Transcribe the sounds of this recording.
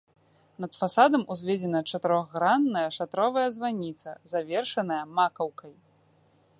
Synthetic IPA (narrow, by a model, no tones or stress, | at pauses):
nɐt̪fasad̪ɐmuzʲvʲed͡zʲɛnɐt͡ʂɐt̪ɨɾɔɣːɾanːɐjɐʂat̪ɾɔvɐjɐzvanʲit̪sɐ̰zavʲɛrʂɐnɐjɐmakɐwkɐj